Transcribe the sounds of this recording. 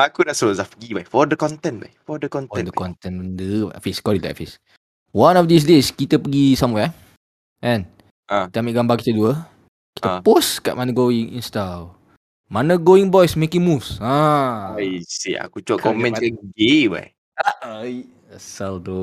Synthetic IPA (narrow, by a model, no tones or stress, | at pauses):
ʔakudaʔsozafɡibajfɔdəkɔ̃nt̪ɛ̃nba̰jfɔdəkɔ̃nt̪ɛ̃dəkɔ̃nt̪ɛ̃ndəfiskɔdit̪a̰ʔfis | wãnɔfdis̬deskit̪əpəɡisãmwɛ | ʔɛ̃n | ait̪əamiʔɡambakit̪əduə | ki̥t̪əposka̰ʔ̚manəɡoĩŋḭ̃nstal | manəɡoiŋbɔjsmekĩŋmusã | jsea̰kut͡ʃuakkɔmɛ̃nkaɡeba̰j | aj | asaldo